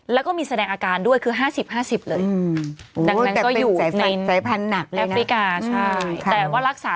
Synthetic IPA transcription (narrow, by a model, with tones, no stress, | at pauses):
lɛː˦˥wkɔː˥˩miː˧sa˧dɛː˧ŋʔaː˧kaː˧ndu˥˩əjkʰɯː˧ɦaː˥˩si˨˩p̚haː˥˩si˨˩p̚lɤː˧jʔuː˧da˨˩˦ŋn˦˥t̪ɛː˨kɔː˥˩pe˧juː˨˩saː˨˩˦jna˧jsaː˨˦jpʰa˧nːa˨˩k̚lɛː˦˧jn˦ɾi˨˦kaː˧t͡ɕʰa˥˩jʰt̪ɛː˨˩˦waː˥˩ɾa˦˥k̚saː˩˦